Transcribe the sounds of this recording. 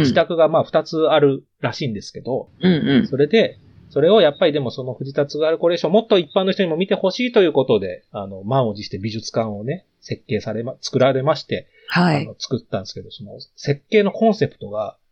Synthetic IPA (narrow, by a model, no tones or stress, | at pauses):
d͡ʑit̪akɯ̟ɡamaːɸɯ̥t̪at͡sɨaɾɯ̟ | ɾaɕĩːnd̪e̞sɨ̥ke̞d̪o̞ɯ̃so̞ɾe̞d̪e̞ | so̞ɾe̞o̞japːaɾʲid̪e̞mo̞so̞no̞ɸɯ̟d͡ʑit̪at͡sɨɡaɾɯ̟ko̞ɾe̞ːɕõːmot̪ːo̞ipːãnːo̞çit̪oɲ̟immʲit̪e̞ho̞ɕiːt̪o̞jɯ̟ːko̞t̪o̞d̪e̞ano̞mãɰ̃od͡ʑiɕi̥t̪e̞bʲiʑɨt͡sɨ̥kãɰ̃o̞ne̞ | se̞kːe̞ːsaɾe̞mat͡sɨ̥kɯ̟ɾaɾe̞maɕi̥t̪e̞ | haiano̞t͡sɨ̥kɯ̟t̪ːãnd̪esɨ̥ked̪o̞so̞no̞̰se̞kːe̞ːno̞kõ̞ɰ̃se̞pɯ̥t̪o̞ɡa